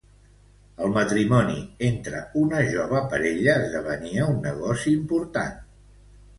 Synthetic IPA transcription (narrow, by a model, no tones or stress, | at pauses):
əlˠmət̪ɾimɔnḭent̪ɾə̰unəʒɔβəpəɾeʎəːzðəβəniəunːəɣ̞ɔsiːmpuɾt̪a̰n